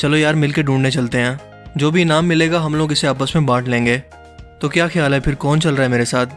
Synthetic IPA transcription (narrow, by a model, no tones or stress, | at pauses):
t͡ʃɐlojaːɾmɪlkeɖũːɳɖnet͡ʃɐlt̪eɦɛ̃ː | d͡ʒoːbʱinaːmːɪleːɡaɦɐmloːɡɪseaːpəsmẽbaːʈʰlẽːŋɡeː | t̪okjaːxʰɐjaːlɦɛpʰɪɾkɔːnt͡ʃɐlɾaɦɛmeːɾesaːt̪̚ʰ